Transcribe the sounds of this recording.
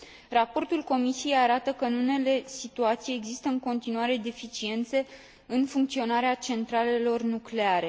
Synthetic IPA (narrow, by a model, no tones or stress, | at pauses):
rapo̞rt̪ulko̞misije̞jaɾat̪əkənune̞le̞sit̪uat̪sijeɡzist̪əɨŋko̞nt̪inuaɾe̞d̪efit͡ʃie̞nt̪se̞ | ɨnfuŋk̚t̪sio̞naɾeat͡ʃe̞nt̪ɾale̞lo̞rnukle̞aɾe̞